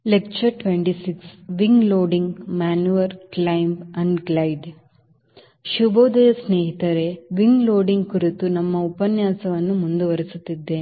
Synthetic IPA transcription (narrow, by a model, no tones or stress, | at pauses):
lek̚t͡ʃɐɾʈʋeɳʈisiksʋiŋɡloːɖiŋɡmaːnjuʋɐɾklɐjmbɐɳɖɡlɐjɖ | ʃuboːd̪ɐjɐsneːɦit̪ɐɾe̞ʋiŋɡloːɖiŋɡkuɾit̪unɐmːɐupɐnjaːsɐʋɐnːumund̪uʋɐɾisut̪ːid̪ːe